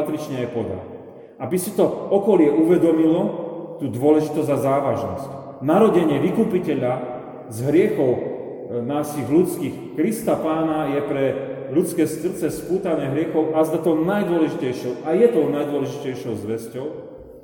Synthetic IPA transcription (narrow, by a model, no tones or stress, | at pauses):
t̪ɾit͡ʃɲɛajpɔd̪a̰ | abisit̪ɔɔkɔlɪɛʔuʋɛd̪ɔmilɔt̪uːd̪ʊɔlɛʒit̪ɔzzazaːʋaʒnɔ̰sc | naɾɔɟɛɲɪɛʋikuːpicɛʎa | zɦɾɪɛxɔʊ | naːsiɣlut͡skix | kɾist̪apaːnajɛpɾɛ | ʎut͡skɛːst̪r̩t͡sɛspuːt̪anɛɦɾɪɛxɔʊʔazd̪at̪ɔʊnajd̪ʊɔlɛʒicɛjʃɔʊʔajɛt̪ɔʊnajd̪ʊɔlɛʒicɛjʃɔʊzʋɛscɔʊ